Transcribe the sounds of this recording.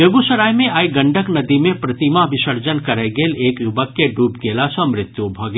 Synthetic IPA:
jeɡusəɾaːjmẽaːiɡə̃ɳɖʱəknɐd̪imẽpɾɐt̪imabɪʃəɾd͡ʒənkɐɾɛɡeːleːkjʊbəkːeɖuːpɡeːlasɔ̃mɾɪt̪jubʱɐɡ

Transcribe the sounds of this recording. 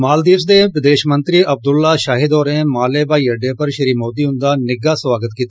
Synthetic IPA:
maːld̪iːs̬d̪eːpɾɪd̪eːʃmə̃nt̪ɾiɐb̚d̪ʊlːaːʃaːɦɪd̪ɔːɾẽːmaːleːbaːiːɐɖːeːpɐɾʃəɾiːmoːd̪iːɦʊ̃nd̪aːnɪɡaːsʋaːɡət̪kiːt̪a

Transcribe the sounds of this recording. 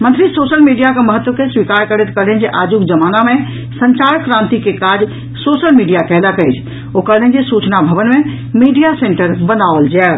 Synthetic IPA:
mə̃nt̪ɾisoːsəlmiɖijakeməɦət̪ːwəkeswikaɾkəɽet̪kəɾlɛnd͡ʒeʔaːd͡ʒukd͡ʒəmaːnamẽ | səɲt͡ʃaɾkɾãnt̪ikekad͡ʒ | sosəlmiɖijakɛɦləkəɪt͡ʃʰ | okəɾlɛnd͡ʒesut͡ʃnabʱəʋənmẽ | miɖijasẽɳʈəɾbənaʋəld͡ʒɛ

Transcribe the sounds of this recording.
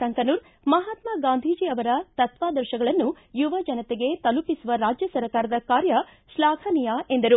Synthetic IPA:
ɐŋkɐnuːɾ | mɐɦaːt̪maɡaːnd̪ʱiːd͡ʒiɐʋɐɾɐt̪ɐt̪ʋaːd̪ɐɾʃɐɡɐɭɐnːu | juʋɐd͡ʒɐnɐt̪eɡe̞t̪ɐlupisuʋɐɾaːd͡ʒjɐsɐɾkaːɾɐd̪ɐkaːɾjɐ | ʃlaːkʰɐnijaːe̞nd̪ɐɾu

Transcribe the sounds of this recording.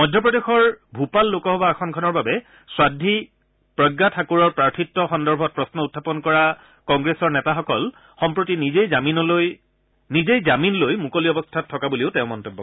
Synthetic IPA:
mɔjdʱjɔpɹɔdexɔɹbʱupalːokɔɦɔbaɛxʰɔnkʰɔnɔɹbabɛ | swadʱi | pɹɔɡːatʰakuɹɔɹpɹaɹtʰitːɔxɔndɔɹbʱɔt̚pɹɔsnɔutʰːapɔnkɔɹa | kɔŋɡɹesɔɹnɛtaxɔkɔl | xɔmpɹotinizejzaminɔloj | nizejzaminlojmukoliɔbɔstʰatʰːɔkabuliʊtɛ̃ʊ̃mɔntebːɔ̰

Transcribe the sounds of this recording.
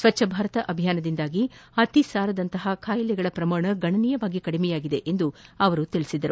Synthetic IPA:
sʋɐtːʃʰɐbʱaːɾɐt̪ɐʔɐbʱijaːnɐd̪ind̪aːɡiɐt̪isaːɾɐd̪ɐnt̪ɐɦɐkʰaːjilɛɡɐɭɐpɾɐmaːɳɐɡɐɳɐniːjɐʋaːɡikɐɽimɛjaːɡid̪e̞ʔend̪uɐʋɐɾut̪ilisid̪ɐɾu

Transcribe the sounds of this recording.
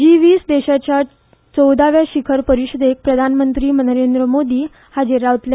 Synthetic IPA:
d͡ʑiʋiːsd̪eɕat͡ɕja | t͡səwd̪aʋjaɕikʰəɾpəɾiɕəd̪ek̚pɾəd̪ʱanmənt̪ɾiːmənəɾend̪ɾəmod̪iː | had͡ʑeɾaʋt̪l

